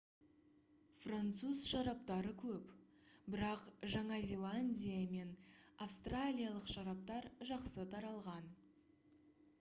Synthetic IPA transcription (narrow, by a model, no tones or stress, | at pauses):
frant̪suzʃɑɾɑp̚t̪ɑɾəkʲʰɵp | bɪɾɑqʒɑɴɑzʲe̞lˠanʲdʲijame̞nafst̪ralʲijalˠəqʃɑɾɑp̚t̪ɑɾʒɑqsət̪ʰɑɾɑlˠʁɑn